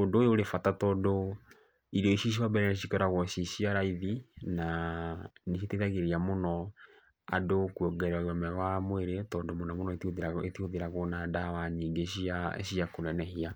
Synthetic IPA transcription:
ondoːjoːɾefatatɔːndo | iɾɔiʃiʃ̬iwabɛɾɛneɕ̬ikɛɾaɣɔʃiʃiaɾaiðina | neʃ̬itetaɣeɾiamonɔ | a̰dokwɔɡɛɾaɔmɛɣwamweɾetɔːndomonɔmonɔetoðetoðeɾaɣonadawaɲiːŋɡeɕiaḛɕiakoɾɛnɛɦia

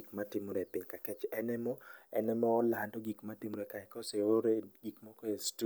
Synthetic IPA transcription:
kmatɪmoɾɛpiɲkakɛt͡ʃɛnɛmɔɛ̰nɛmɔːlandɔɡikmatɪmoɾɛkaɛkɔseoɾeɡikmɔkɔestu

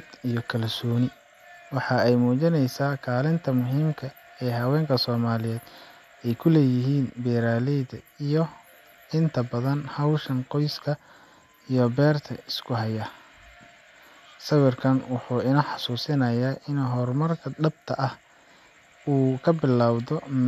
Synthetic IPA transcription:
d̪ijɔkʰɐlsɔːnɪ | wɑħɑɛjmuːt͡ʃɪnɛjsaːkʰaːlɪnt̪ʰɐmʊɦiːmkʰɐ | ɛːɦɐwɛːŋkʰɐsɔːmaːlɪjɛːd̪̥ | ɛjkʰʊlɛːjɪɦiːnbɛːɾaːlɛjd̪ɐijɔ | ɪnt̪ʰɐbɐðɐnhɐwʃɐnqɔjskʰɐ | ijɔbɛːrt̪ʰɐɪskʰʊɦɐjɐ | sɐwɪrkʰɐnwʊħuːɪnɐħɑsuːsɪnɐjaːʔɪnɦɔrmɐrkʰɐdɐbt̪ʰɐʔɐh | uːkʰɐbɪlːaːwðɔ

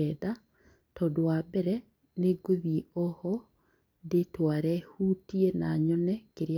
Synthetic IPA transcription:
ɛða | tɔdoabɛɾɛ | neɡoðieɔhɔ | detwaɾɛhutienaɲɔnɛkeɾj

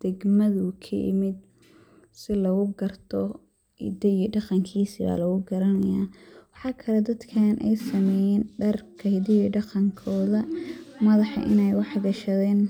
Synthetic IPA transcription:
d̪̥ɛɡmɐðʊkʰɐ̰jɪ̰mɪd̪̚ | sɪlɐɣʊɡɐrt̪ʰɔ | ḭd̪ɐiɖɑqɑŋkʰiːsiβa̰ːlɐɣʊɡɐɾɐnɐjaːwɑħɑːkʰɐlɛd̪ɐd̪kʰaːnʔɛ̰jsɐmɛjɛːnɖɐrkʰɐhɪd̪ɪjiɖɑqɑŋkʰɔːðɐmɐðɑħɑ̰ʔɪ̰nɛjwɑħɡɐʃɐðɛːn

